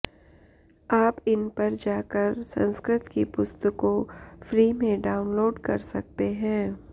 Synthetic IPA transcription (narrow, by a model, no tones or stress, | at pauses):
aːpɪnpɐɾd͡ʒaːkəɾsɐ̰̃nskɾɪt̪kipʊst̪əkõfɾiːmẽɖaːʊnloːɖkɐɾsɐk̚t̪eɦɛ̃ː